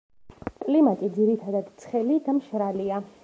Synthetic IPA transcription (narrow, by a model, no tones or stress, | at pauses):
kʼlimat̪ʼid̪ziɾit̪ʰad̪ad̪t̪sʰχɛlid̪amʃɾalia